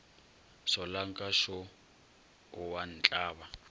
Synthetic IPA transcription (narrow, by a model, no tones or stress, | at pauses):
sɔlaŋkʼaʃɔ | ʊwan̩t͡ɬʼaːβa